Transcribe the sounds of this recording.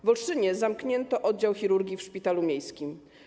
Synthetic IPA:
vɔlʂɘɲɛzamkɲɛnt̪ɔʔɔd̪̚d͡ʑawxʲiɾuɾɡʲifʂpʲit̪alumʲjejskʲim

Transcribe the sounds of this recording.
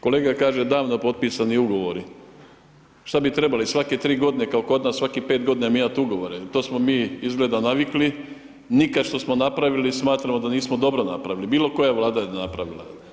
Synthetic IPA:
ko̞le̞ːɡakaːʒe̞d̪aːʋno̞po̞t̪̚pisaniuɡo̞ʋo̞ɾi | ʃt̪abit̪ɾe̞balisʋaket̪ɾiːɡo̞d̪ine̞kaoko̞d̪naːsʋakipeːt̪̚ɡo̞d̪inamimat̪uɡo̞ʋo̞ɾet̪o̞ːsmo̞miːizɡled̪anaʋikli | nikaʃt̪o̞smonapɾaʋilismaːt̪ɾamo̞d̪aniːsmod̪o̞bɾo̞na̰pɾaʋilibiːlo̞ko̞jaʋlˠaːd̪ajenapɾaʋila̰

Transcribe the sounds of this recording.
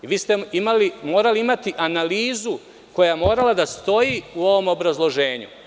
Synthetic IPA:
iʋiːst̪eimalimo̞ːɾaliimat̪iʔanaliːzu | ko̞jamo̞ːɾalad̪ast̪o̞jiuo̞ʋo̞mo̞bɾazlˠo̞ʒe̞ːɲṵ

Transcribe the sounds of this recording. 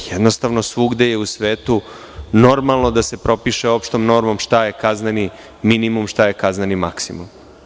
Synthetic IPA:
jed̪no̞st̪aʋno̞sʋuɡd̪ejeusʋeːt̪u | no̞ɾmalˠno̞d̪ase̞pɾo̞piʃeo̞pʃt̪o̞mno̞ɾmo̞mʃt̪aje̞kazneni | minimumʃt̪aje̞kaznenimaksimum

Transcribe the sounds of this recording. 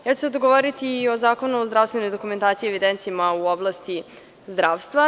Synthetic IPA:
jaːt͡ɕused̪oɡoʋoɾit̪iːo̞zaːko̞nuozd̪ɾafst̪ʋeno̞jd̪o̞kume̞nt̪aːt̪sieʋid̪ent̪simauoblˠast̪i | zd̪ɾaːʋst̪ʋa

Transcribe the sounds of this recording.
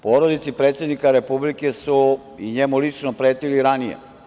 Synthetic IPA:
poːɾod̪it̪sipɾet̪sje̞d̪nikaɾe̞publike̞su | iɲemulit͡ʃnopɾeːt̪iliɾanijḛ

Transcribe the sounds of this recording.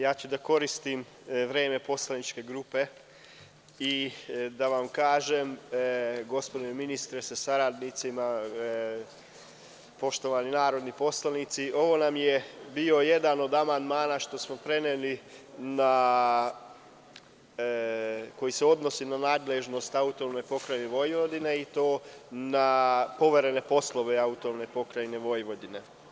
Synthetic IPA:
jaːt͡ɕud̪ako̞ɾist̪im | ʋɾeːme̞po̞slanit͡ʃke̞ɡɾupe̞ | id̪aʋamkaːʒem | ɡo̞spo̞d̪ineminist̪ɾesasaɾad̪nit̪sima | po̞ʃt̪o̞ʋaninaːɾo̞d̪nipo̞slˠanit̪siʔo̞ʋo̞namjebio̞je̞d̪ano̞d̪amand̪maːnaʃt̪o̞smo̞pɾe̞nelina | ko̞jiseo̞d̪no̞sinanaːd̪leʒno̞st̪aut̪one̞po̞kɾajneʋo̞jʋod̪ine̞it̪o̞ːnapo̞ʋe̞ɾe̞ne̞po̞slˠo̞ʋeaut̪oʋne̞po̞kɾajneʋo̞jʋo̞d̪ine̞

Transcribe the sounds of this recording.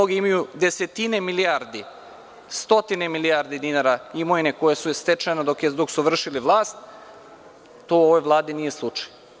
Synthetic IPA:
oɡiimajud̪eset̪inemilijaɾd̪i | st̪o̞t̪inemilijaɾd̪id̪inaɾaimojnekojesust̪et͡ʃenad̪okjed̪oksuʋr̩ʃiliʋlˠaːst̪ | t̪oːoʋojʋlˠaːd̪inije̞slˠut͡ʂḁj

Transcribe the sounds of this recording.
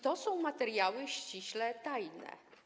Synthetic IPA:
t̪ɔsɔ̃w̃mat̪ɛɾjawɘɕt͡ɕiɕlɛt̪ajnɛ̰

